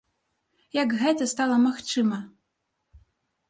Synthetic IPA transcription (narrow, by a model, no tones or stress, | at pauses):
jɐkɣɛt̪ɐst̪alˠɐmaxt͡ʂɨmɐ